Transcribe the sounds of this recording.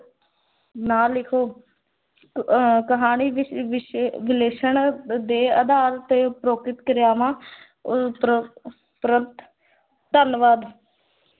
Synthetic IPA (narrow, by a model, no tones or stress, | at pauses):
naːlːɪkʰoː | kəɦaːniːʋʋɪʃʋɪleːʃəɳd̪eːəd̪aːɾt̪eːpɾoːkɪt̪kəɾjaːmãː | pɾənt̪ | t̪ənʋaːd̪